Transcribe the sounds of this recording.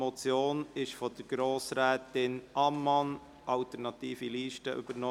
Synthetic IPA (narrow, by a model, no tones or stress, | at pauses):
mɔt͡sjoːnɪʃfɔd̥̪əɾɡ̥ɾoːsɾɛːt̪ɪnʔɑmːɑn | ʔɑlt̪əɾnɑtiːfiliːʃtəʔʏ̰b̥əɾnɔ